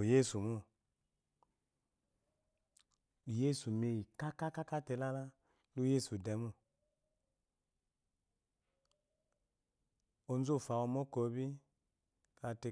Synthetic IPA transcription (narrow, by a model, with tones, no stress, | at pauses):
je˦su˨mu˦˨ | i˨je˦su˨me˧˨ji˨ka˦ka˦ka˦ka˦tɛ˧la˦la˦ | lu˦je˦su˨dɛ˨˦mu˦˨ | o˧n˦zo˦˨fa˨wo˧mo˦ko˧˦bi˦ | ka˨˧te˧˨